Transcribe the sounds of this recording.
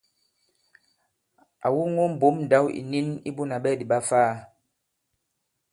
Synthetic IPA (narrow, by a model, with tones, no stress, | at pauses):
a̰˨wu˦ŋo˦m̩˨bo˨˦mn̩˨da˨˦wḭ˨ni˦nḭ˦bu˦na˨ɓɛ˦˨di˨ɓa˦faː˦˨